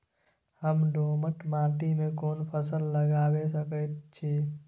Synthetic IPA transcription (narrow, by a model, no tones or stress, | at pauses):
həmɖoːməʈmaːʈimẽkoːnpʰəsəlːəɡaːwesəkət̪t͡ʃʰi